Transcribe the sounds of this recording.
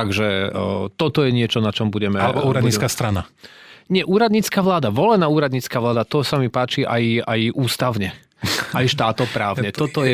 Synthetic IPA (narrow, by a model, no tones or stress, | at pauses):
t̪aɡʒɛt̪ɔt̪ɔjɛɲɪɛt͡ʃɔnat͡ʃɔmbuɟɛmɛalɛbɔuːɾad̪ɲit͡skast̪ɾanaɲɪɛʔuːɾad̪ɲiːt͡skaːʋlaːd̪aʋɔlɛnaːuːɾad̪ɲiːt͡skaːʋlaːd̪at̪ɔsamipaːt͡ʃiʔajajʔuːst̪aʊɲɛ | ajʃt̪aːt̪ɔpɾaːʊɲɛt̪ɔt̪ɔjɛ